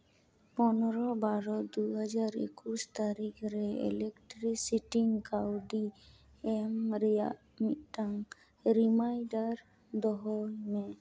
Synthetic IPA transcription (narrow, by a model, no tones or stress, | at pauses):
pɔnɔɾɔbaɾɔd̪uɦad͡ʒaɾḛkust̪aɾikʰɾɛḛlekʈɾisiʈiŋkawɖi | emɾia | miʈaŋ | ɾimajɖaɾ | d̪ɔɦɔmɛ